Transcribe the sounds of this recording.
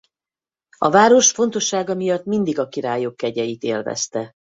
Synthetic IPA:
ɒvaːɾo̞ʃfo̞nt̪o̞ʃːaːɡɒmijɒt̪ːmind̪iɡɒkiɾaːjokːɛɟɛjit̪eːlvɛ̰st̪ɛ

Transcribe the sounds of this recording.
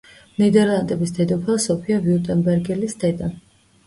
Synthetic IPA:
mnid̪ɛɾlˠand̪ɛbisd̪̥ɛd̪ɔpʰasɔpʰiaviut̪ʼɛnbɛɾɡɛlisd̪ɛd̪a

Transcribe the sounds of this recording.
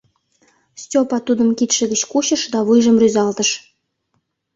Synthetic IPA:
sʲtʲopɑt̪ud̪ə̆mkit̪ʃɘ̆ɡʲɘ̆t͡ɕkuɕə̆ʂd̪ɑβujʒə̆mrʲyzɑlˠt̪ə̆ʃ

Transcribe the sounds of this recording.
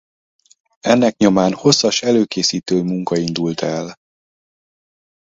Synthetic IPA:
ɛnːɛkɲo̞maːnho̞sːɒʃɛløːkeːsiːt̪øːmuŋkɒind̪ult̪ɛl

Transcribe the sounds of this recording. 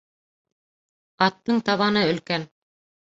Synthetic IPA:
ɑt̪ːɤɴt̪ɑβɑnɤɵ̆lkæn

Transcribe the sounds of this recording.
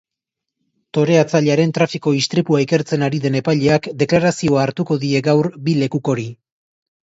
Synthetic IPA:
t̪o̞ɾeat͡saʎaɾe̞nt̪ɾafiko̞ist̪ɾipuaike̞ɾt͡se̞naɾiðe̞ne̞pajʎe̞akd̪e̞klaɾasio̞aːɾt̪uko̞ðie̞ɡawɾbile̞kuko̞ɾi

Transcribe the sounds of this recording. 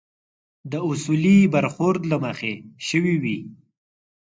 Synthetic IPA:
d̪əʊsulibaɾxʊɾd̪laməxeʃəwiwi

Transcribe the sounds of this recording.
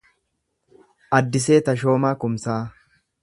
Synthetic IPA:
ʔɐd̪ːɪs̬e̞ːt̪ɐʃ̬o̞ːmaːkʊmsaː

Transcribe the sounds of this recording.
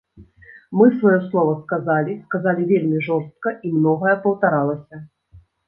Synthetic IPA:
mɨsvajɔslˠɔvɐskazalʲiskazalʲivʲelʲmʲiʐɔɾst̪̚kɐʔimnɔɣɐjɛpɐwt̪aɾalˠɐsʲɐ

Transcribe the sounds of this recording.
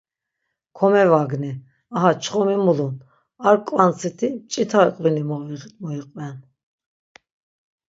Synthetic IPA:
kʰɔmɛvaɡni | aɦat͡ʃʰχɔmimulun | aɾkʼwant͡sʰit̪ʰit͡ʃʼit̪ʰaɾkʼwinimɔviʁmɔiqʼwɛn

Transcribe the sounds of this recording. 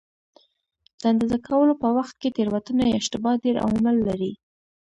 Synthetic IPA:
d̪̥and̪əzakʰawəlopəwaxt̪̚ket̪eɾwat̪unajɪʃt̪ɪbɑɖeɾa̰wmɪlːaɾi

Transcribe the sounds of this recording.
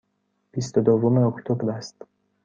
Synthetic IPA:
b̥ist̪od̪ovome̞okt̪ʰobɾæst̪

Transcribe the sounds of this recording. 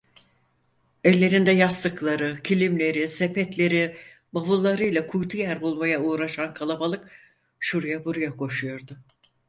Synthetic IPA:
ɛlʲːe̞ɾind̪ɛjast̪ɯklˠaɾɯcʰilʲimlʲe̞ɾisepɛt̪lʲe̞ɾi | bavulˠːaɾɯjlʲˠakʰujt̪ʰujæɾbulˠmajauːɾaʃankʰalˠabalˠɯk | ʃuɾujabuɾajakʰo̞ʃujo̞ɾd̪ʊ

